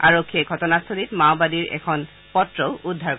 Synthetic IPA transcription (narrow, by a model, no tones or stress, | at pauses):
aɹokʰːieɡʱɔtɔnast̪ʰolitmaʊbadiɹɛ̰kʰɔn | pɔtɹoʊudʱːaɹk